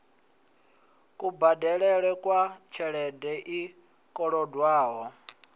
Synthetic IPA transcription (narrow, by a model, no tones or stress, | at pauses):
kʼubadɛɺɛɺɛkʼwat͡ʃʰɛɺɛdɛʔi | kʼɔɺɔdwaːɦɔ